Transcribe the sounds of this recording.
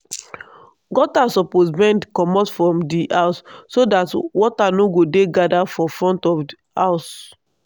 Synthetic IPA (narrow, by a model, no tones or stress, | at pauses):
ɡɔtasɔposbɛ̃ndkɔmɔtfɹɔ̃mdiʔaʊsːodatwɔtanoɡodeɡadafɔfɹɔ̃ntɔfdi | aʊs